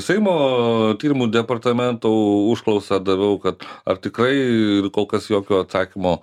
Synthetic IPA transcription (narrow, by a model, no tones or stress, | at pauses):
sʲɛɪmoːt̪ʲiːɾʲɪmuːd̪ʲɛpɐrt̪ɐmʲɛnt̪oːʊʃklˠɐʊsɐd̪ɐʋʲɛʊkɐt̪ɐ̰rt̪ʲɪkɾɐɪɪrkoːlˠkɐsjoːkʲoːɐt̪sɑːkʲɪmoː